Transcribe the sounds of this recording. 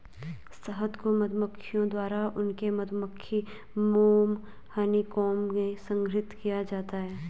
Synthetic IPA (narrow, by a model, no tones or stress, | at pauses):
st̪ʰəɦət̪komɐd̪ʱməkʰːɪjõd̪waːɾaʊnkemɐd̪ʱməkʰːi | moːm | hənikɔːmmẽsə̃ŋɡʱɾɪt̪kijad͡ʒaːt̪aɦɛː